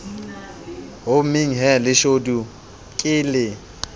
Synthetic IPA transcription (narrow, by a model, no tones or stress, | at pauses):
ɦomɪŋ̩ɦɛlɪʃodu | kʼɪːlɪ